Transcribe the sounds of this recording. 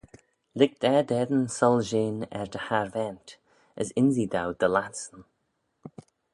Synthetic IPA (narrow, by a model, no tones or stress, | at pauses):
lɪɡ̚d̪̥ɛd̪ɛd̪ənsɔlˠʒeːnɛ̰ɹd̪əhaɹvɛnt | əsɪnzid̪awd̪əlatsən